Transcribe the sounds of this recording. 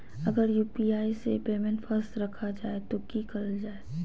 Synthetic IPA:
ɐɡəɾjuːpiaːisepeːmẽɳʈfəɾst̪ɾɐkʰad͡ʒaːet̪okikɐɾəld͡ʒaːe

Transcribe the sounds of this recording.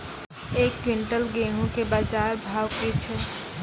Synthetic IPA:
eːkːwɪ̃ɳʈəlɡeːɦũkebaːd͡ʒaːɾbʱaːwkit͡ʃʰɛ

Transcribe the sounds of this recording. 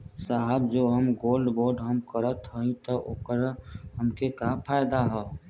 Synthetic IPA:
saɦəbd͡ʒoːɦəmɡoːlɖboːɾɖɦəmkəɾət̪ɦəĩt̪ɔʔoːkəɾhəmkekapʰaːjd̪aɦɛː

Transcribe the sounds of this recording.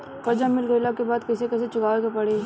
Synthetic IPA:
kɐd͡ʒamɪlɡəjlakebaːd̪kɐsekɛːset͡ʃʊɡaːʋekepɐɽeː

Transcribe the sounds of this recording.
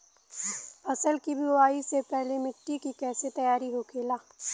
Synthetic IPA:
ɐsəlkibʱiaːisepɛɦlemɪʈːikikɛːset̪ɐjaːɾiɦokʰeːlaː

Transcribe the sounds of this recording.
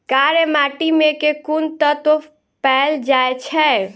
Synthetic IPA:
kaɾemaʈimẽkekunt̪ət̪o | pɛld͡ʒaet͡ʃʰɛ

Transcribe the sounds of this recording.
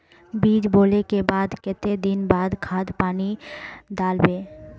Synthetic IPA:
biːd͡ʒboːlekebaːd̪kɪt̪ed̪ɪnbaːd̪kʰaːd̪paːnid̪aːlbẽː

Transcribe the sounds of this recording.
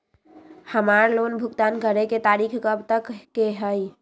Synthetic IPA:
həmaɾlonbʱʊkt̪ankəɾeket̪aɾikʰkəbt̪əkkːeɦəj

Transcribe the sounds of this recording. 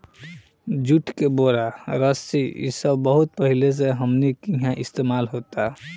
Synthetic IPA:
d͡ʒuʈʰkeboɾaɾəsiḭsəbbəɦut̪̚pəɦiles̬eɦəmnikĩɦãʔɪst̪emaːlɦot̪a

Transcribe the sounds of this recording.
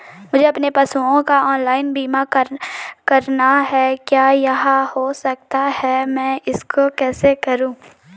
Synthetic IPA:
mʊd͡ʒʱeɐpnepɐsuõkaɔːnlaːɪnbiːmakəɾkɐɾnaɦɛkjaːjɐɦãhosɐk̚t̪ahɛmɛ̃ːɪskʰokɛːsekɐɾũː

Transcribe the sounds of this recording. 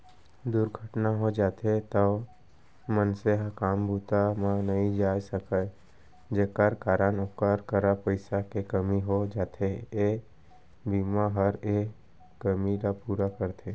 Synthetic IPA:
d̪ʊɾɡʱəʈnaɦod͡ʒaːt̪et̪ə | mənseɦəkaːmbuːt̪amãnəɦĩd͡ʒaːjsəkə | d͡ʒeːkəɾkaːɾənʊkəɾkəɾapəɪsakekəmiɦod͡ʒaːt̪ʰee | biːmaɦəɾeː | əmiɾapuːɾakəɾt̪ʰe

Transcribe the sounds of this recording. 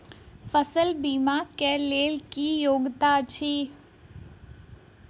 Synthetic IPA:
fəsəlbiːmaːkeleːlkijoːɡt̪aːt͡ʃʰiː

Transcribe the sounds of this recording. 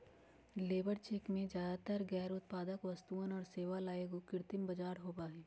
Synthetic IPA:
leːbəɾt͡ʃeːkmẽd͡ʒjaːd̪at̪əɾɡɛːɾʊt̪paːd̪əkʋɐst̪uːənɔːɾseːʋalaːeɡokɪɾt̪ɪmbɐd͡ʒaːɾɦoːbaːɦɛː

